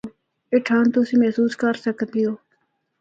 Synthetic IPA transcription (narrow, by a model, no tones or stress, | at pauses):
eʈʰaːnt̪ʊsĩmɛɦsuːskəɾsək̪d̪ijoː